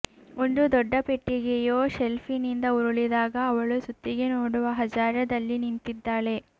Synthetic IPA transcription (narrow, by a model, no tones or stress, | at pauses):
ond̪ud̪ɔɖːɐpe̞ʈːiɡejoːselpʰinind̪ɐuɾuɭid̪aːɡɐːʋɐɭusut̪ːiɡe̞noːɽuʋɐɦɐd͡ʒaːɾɐd̪ɐlːinint̪id̪ːaːɭe̞